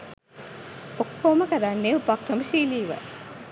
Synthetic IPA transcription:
okːoːməkɐɾanːeupak̚ʈɐməʃiːliːʋə̰

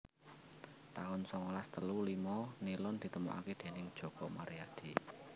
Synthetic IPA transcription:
t̪aʊnsɔŋɔlast̪əlulimɔnilʊnd̪̥i̤t̪əmṵʔa̰ked̪̥e̤nɪŋd̥ʒ̥ɔ̤kɔmaɾijad̪̥i

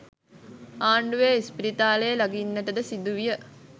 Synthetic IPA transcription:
aːɳɖuʋeːispiɾit̪aːləjəlaɡinːəʈəd̪əsid̪uʋijə

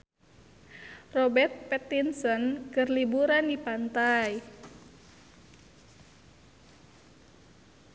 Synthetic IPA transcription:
rɔbɛrt̪̚pɛt̪insɔnkɨrlibuɾandipant̪aj

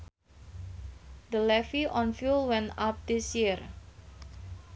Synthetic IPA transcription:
d̪əlɛfiʔɔnfjulwɛ̃ntap̚d̪isjir

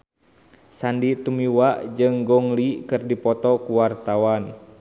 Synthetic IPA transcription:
sandit̪umiwaʔd͡ʒɨŋɡɔŋlikɨrdipɔt̪ɔkuwart̪awan

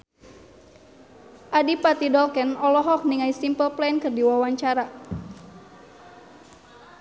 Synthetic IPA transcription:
ʔadipat̪idɔlkɛnɔlɔɦɔk̚niŋaisimpəlplɛnkɨrdiwawaɲt͡ʃaɾa

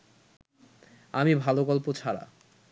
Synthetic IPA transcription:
amibʱaloɡɔlpot͡ɕʰaɾa̰

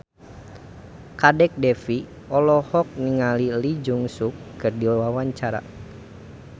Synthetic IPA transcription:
kadɛk̚dɛfi | ɔlɔhɔk̚niŋalilid͡ʒuŋsukːɨrdiwawaɲt͡ʃaɾa̰

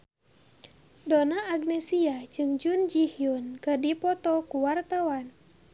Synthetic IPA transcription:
dɔnaːɡnɛsiad͡ʒɨŋd͡ʒund͡ʒihiunkədipɔt̪ɔkuwart̪awan

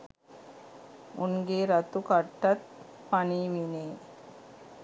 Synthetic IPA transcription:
ʔʊnɡeːɾɐt̪ːukɐʈːɐt̪̚ | pɐniʋineː

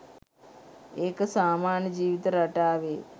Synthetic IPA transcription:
eːkɐsaːmaːɳjɐd͡ʒiːʋit̪ɐɾɐʈaːʋeː

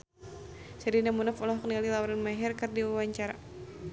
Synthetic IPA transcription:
sɛɾinamunafɔlɔhkənialilawuɾanmaɦɛrkɨrdiwawaɲt͡ʃaɾa

